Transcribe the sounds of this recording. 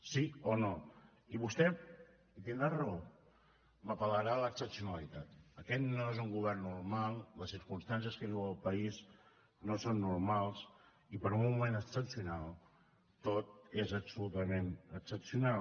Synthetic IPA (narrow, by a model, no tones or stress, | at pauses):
siono | iβust̪ɛ | it̪ind̪ɾarəo | məpələɾaləksəpsiunəlit̪at̪əkɛt̪noezuŋɡuβɛrnːurmalˠləsiɾkunst̪ans̬iəskəβiwəlˠpəiz | nosonːuɾmalˠs | ipəɾumuumenəksəpsiunalˠ | t̪ot̪ezəpsulut̪əmenəksəpsiunal